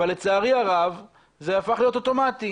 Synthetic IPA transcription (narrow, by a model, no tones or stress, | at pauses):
alːet͡saːʁiaʁav | ze̞afaχlijo̞t̪o̞to̞mat̪i